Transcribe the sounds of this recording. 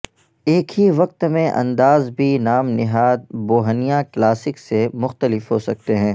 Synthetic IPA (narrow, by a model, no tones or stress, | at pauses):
eːkɦiʋɐq̚t̪mẽʔɐ̰̃nd̪aːzbʱinaːmnɪɦaːd̪̚boːɦənijãklaːsɪksemʊxt̪əlɪfɦoːsɐk̚t̪eɦɛ̃ː